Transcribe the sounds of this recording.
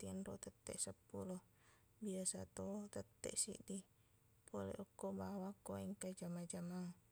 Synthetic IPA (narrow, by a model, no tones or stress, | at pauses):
t̪iənrot̪ət̪ːɛ̰ʔsəpːulɔh | biasa̰t̪ot̪ət̪ːɛ̰ʔsḭʔdi | polɛ̰ʔɔkːobawakːoiŋkad͡ʒamad͡ʒama